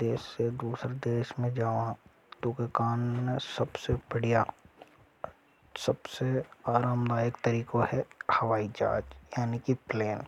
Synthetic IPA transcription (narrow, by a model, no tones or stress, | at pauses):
d̪eːʃsed̪uːsɾed̪eːʃmẽd͡ʒaːʋã | t̪oːkekaːnmẽsɐbsebɐɽ̤ijaː | sɐbseaːɾaːmd̪aːjəkt̪ɐɾiːkohɛhɐʋaːid͡ʒa̰ːd͡ʒjaːnikipleːn